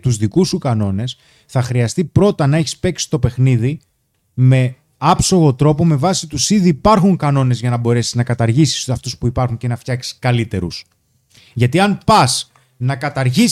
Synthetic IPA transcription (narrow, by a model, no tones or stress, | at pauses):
t̪uzðikusukɐno̞ne̞s | θɐxɾiɐst̪ipɾo̞t̪ɐnɐe̞çi̥spe̞ksi̥t̪o̞pe̞xniði | me̞ | ɐpso̞ɣo̞t̪ɾo̞po̞me̞vɐsit̪usiðiːpɐɾxuŋkɐno̞ne̞zʝɐnɐbo̞ɾe̞siznɐkɐt̪ɐɾʝisi̥sɐft̪uspuipɐɾxuɲce̞nɐft̪çɐksi̥skɐlit̪e̞ɾṵs | ʝɐt̪iɐnpɐs | nɐkɐt̪ɐɾʝis